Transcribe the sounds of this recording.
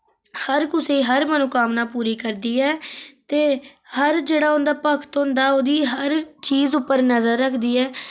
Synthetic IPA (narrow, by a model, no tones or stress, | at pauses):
həɾkʊseːɦəɾmənokaːmnaːpuːɾiːkəɾd̪iːɛːt̪eːhəɾd͡ʒeːɽaːʊnd̪aːpəkʰt̪ɦʊ̃nd̪aːoːd̪iːɦəɾt͡ʃiːzʊpːəɾnəzəɾːəkʰd̪iːɛː